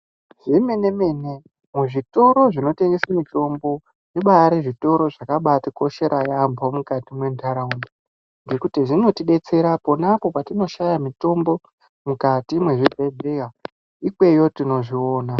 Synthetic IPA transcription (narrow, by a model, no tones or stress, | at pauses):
ʐime̞ne̞mene̞ | muʐito̞ɾo̞ʐino̞te̞ŋɡesamito̞mbo̞ | ʐiɓaɾeʐito̞ɾo̞ʐakaɓatiko̞ʃe̞ɾʔajambʱomukatimwe̞ntʰaɾauni | ŋɡe̞kutiʐino̞tiɗe̞t͡se̞ɾapo̞napo̞patino̞ʃajamito̞mbo̞ | mukatimwe̞ʐibʱe̞dʱeka | ikwe̞jo̞tino̞ʐioːna